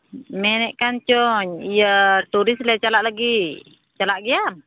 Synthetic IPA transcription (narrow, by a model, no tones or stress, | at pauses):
mɛnɛʔkant͡ʃɔɲijət̪uɾislɛt͡ʃalaʔlaɡi | t͡ʃalaʔɡiam